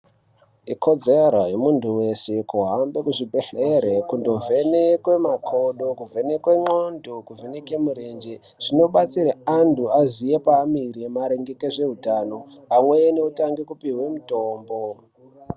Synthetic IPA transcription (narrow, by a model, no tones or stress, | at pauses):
iko̞d͡zeɾajemuntʰuwe̞se̞kuɦambe̞kuʐibʱeɬeɾekundo̞ve̞nekwe̞makʰo̞ɗokuve̞ne̞kweŋ͡ǃondokuvʱenekemuɾend͡ʒe | ʐ̥ino̞ɓat͡siɾeantʰuazije̞paːmiɾemaɾeŋɡe̞keʐe̞ɦutano̞amwejne̞utaŋɡekupiɦwe̞muto̞ːmbo